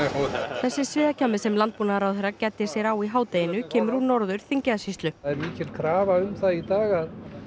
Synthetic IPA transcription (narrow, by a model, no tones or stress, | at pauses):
θɛsːɪsvɪːðacʰamːɪsɛmlant̪̚puːnaðɾawθejɾːacɛːt̪ːɪ̥sjɛɾawiɦaːwt̪ejɪnʏcʰɛːmʏɾ̥huɾnɔɾðʏɾ̥θiɲcɪðasist̪lʏðɛɾmiːcɪlkʰɾaːvaʏmθaðit̪aːɣað